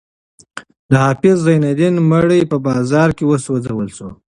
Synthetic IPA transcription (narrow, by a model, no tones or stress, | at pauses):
d̪əhɑfɪs̬zajnad̪inmaɽəjpəbɑzɑɾkewəsod͡zawəlso̰